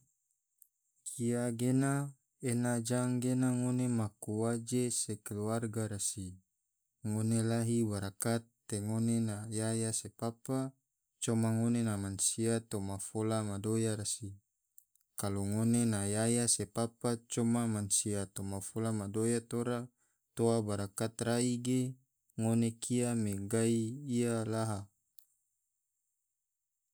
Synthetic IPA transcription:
kʰiaɡena | enad͡ʒaŋɡenaŋonemakuwad͡ʒesekeluarɡaɾasi | ŋonelaɦiwaɾakat̪ːeŋonenajajasepapa | t͡ʃomaŋonenamansiat̪omafolamadojaɾasi | kaloŋonenajajasepapat͡ʃɔmamansiat̪omafolamadojat̪oɾa | t̪oabaɾakat̪raiɡe | ŋonekʰiameɡaiːalaɦa

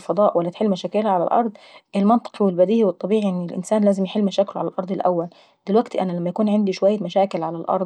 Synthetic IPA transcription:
fɑd̪ˤɑːʔwælːæt̪ħelːmæʃæːkɪlʕalæ̰lʔɑ̰ɾˤd̪ˤʔɪlmɑnt̪ˤɨ̥qwɪlbæd̪iːʔiwɨt̪ˤːɑbiːʕiʔɪnːɪlʔɪ̰nsæːnlæːzɪmjħelːmæʃæːkloʕa̰lælʔɑɾˤd̪ˤɪlʔæ̰wːæl | d̪̥ɪlwæɡt̪ʔænælæmːæjækuːnʕɪnd̪iʃowæjːæmæʃæːkɪlʕalælʔɑ̰ɾˤd̪

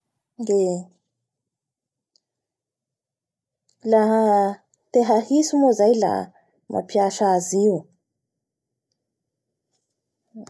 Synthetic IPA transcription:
de | laɦə | t̪eɦahisumozajla̰ | mʔa̰pjaʃaziu

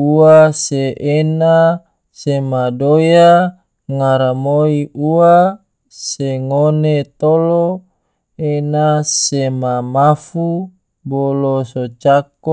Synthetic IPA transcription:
uaseʔena | semadoja | ŋaɾamoiua | seŋonet̪olo | enasemamafu | bolosot͡ʃako

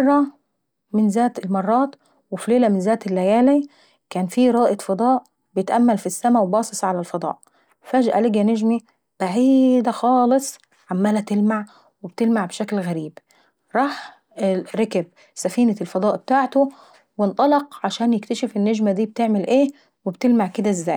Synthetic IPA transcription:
ɑrˤːɑ | mɪnzæːt̪ɪlmɑrˤːɑːt̪ | wɪfileːlæmɪnzæːt̪ɪlːæjæːli | kæːnfiːɾˤɑːʔɪt̪fɑd̪ˤɑːʔ | bejɪt̪ʔæmːælfisːæmæwebɑːsˤɨsˤʕalælfɑd̪ˤɑ̰ːʔ | fæːd͡ʒʔæ̰lɪɡænæʒmi | b̥aʕiːd̪æxɑːlɨsˤ | ʕamːæːlæt̪ɪlmaʕ | web̚t̪ɪlmaʕbʃæklɣæɾiːb | ɾˤɑːħ | ɾɑkæb̚ | sæfiːnælfɑd̪ˤɑːʔb̥et̪aːʕt̪o | wɪnt̪ˤɑlɑqʕaʃæːnjɪkt̪æʃefenːæʒmæd̪iːb̚t̪eʕmɪlʔeː | webt̪ɪlmaʕked̪æzːæ̰ːj

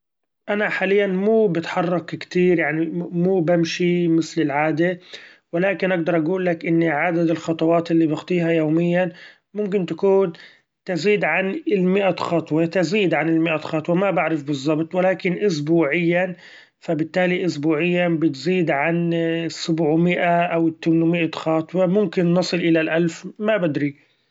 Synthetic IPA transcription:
ʔanaħaːlɪjːanmuːbɪt̪ħɑrˤːɑkkt̪iːɾjaʕnimuːbamʃimɪθlɪlʕaːd̪e | wɪlaːkɪnʔaɡ̚d̪ɑɾˤʔaɡuːlːakʔɪnːiʕad̪ad̪ɪlxɑt̪ˤɑwɑːt̪ʔɪlːibɪxt̪ˤiːhajoːmɪjːan | mʊmk̬ɪnt̪akuːn | t̪ɪziːd̪ʕanɪlmɪʔaxɑːt̪ˤwet̪ɪziːd̪ʕanɪlmɪʔaxɑːt̪ˤwemabaʕɾɪfbɨzˤːɑbt̪ˤwɪlaːkɪnʔʊs̬buːʕɪjːan | fabɪt̪ːaːliʔʊsbuːʕɪjːabɪt̪ziːd̪ʕansːʊbʕmɪʔaʔawɪt̪ːamnmɪʔaxɑːt̪ˤwɑmʊmkɪnːɑsˤɨlʔɪlalʔalfmabɪd̪ɾi

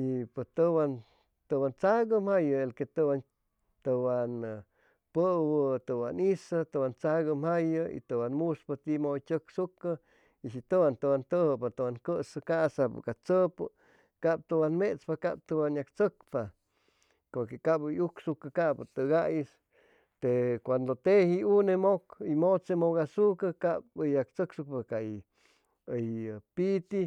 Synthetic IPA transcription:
ipɨt̪ɨwan | t̪ɨwant͡saɡəmhajɨelket̪ɨwan | t̪ɨwan | pəwət̪ɨwanisɨt̪ɨwant͡saɣɨmhajɨḭt̪ɨwanmuspat̪imot͡ʃʲəksukɨ | iʃit̪ɨwant̪ɨwant̪əhɨpat̪ɨwankəsɨkasapɨ̰kat͡səpɨ | kap̚t̪ɨwanmet͡spaka̰p̚t̪ɨwanjakt͡səkpa | koɾkekabɨjuksukɨkaʔpat̪ɨɣajis | t̪ekʷand̪ot̪ehiunemokimot͡semoɣasukəkapjak̚t͡səksuk̚paka | əjpit̪i

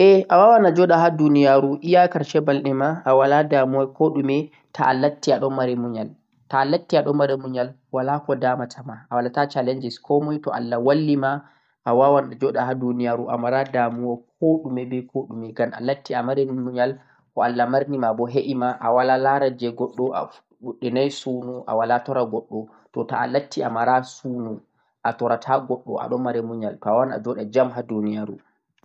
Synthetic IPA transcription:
ʔɛʔawawanad͡ʒɔɗaɦadunijaɾuʔijakaɾʃɛbalɗɛmaːwaladamuwakoɗumɛ | tʰaʔːlatːiaɗɔnmaɾɛmuɲal | taːlatːiaɗɔmmaɾɛmuɲal | walakɔdamatʰamaʔawalatat͡ʃaland͡ʒɛskʰɔmɔjtɔ̰ʔa̰lːawalːima | ʔawawanad͡ʒɔɗahadunijaɾuʔa̰maɾadamuwak̚ʰoɗumɛbɛkʰoɗumɛɡana̰latʰːiamaɾɛmuɲal | kɔalːamaɾnimabɔɦeʔimaʔawalalaɾad͡ʒɛɡɔɗːɔa̰ | ɗuɗɛnajsunuʔa̰walatɔɾaɡɔɗːɔ | tɔtaa̰latːiamaɾasunu | ʔatɔɾatʰaɡɔɗːɔ̰ʔa̰ɗɔmaɾɛmuɲaltɔawana̰d͡ʒɔɗad͡ʒamɦadunijaɾṵ

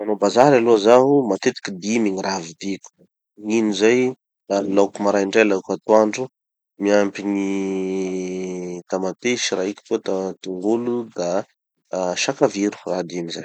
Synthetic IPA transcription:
manobazaɾaloazaɦumat̪et̪i̥kid̪imiɲiɾavid̪iku̥ | inizaj | alakumaɾajɳɖ͡ʐajlakat̪uaɳɖ͡ʐu | miampini | t̪amat̪eʃiɾaiki̥kot̪at̪uŋɡulud̪a | ʃakaviɾu̥rad̪imizaj

